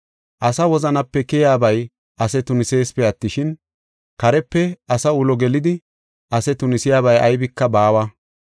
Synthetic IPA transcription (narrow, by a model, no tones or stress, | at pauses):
ʔɐsɐwɔzɐnɐpːɛkɪjaːbɐj | ʔɐsɛt̪ʊnɪse̞ːspɛɐt̪ːɪʃɪn | kɐɾɛpːɛɐsɐʊlɔɡɛlɪd̪ɪ | ʔɐsɛt̪ʊnɪsɪjaːβɐjɐjbɪkːɐbaːwɐ